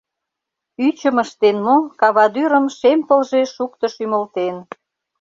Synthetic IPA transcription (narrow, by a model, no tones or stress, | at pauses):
yt͡ɕəməʃt̪enmokɑβɑd̪yɾəmʃempəlʒeʃukt̪əʃyməlt̪en